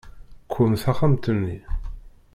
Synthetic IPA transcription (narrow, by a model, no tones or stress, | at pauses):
kʷʰːʊmθæχamt̪ənːi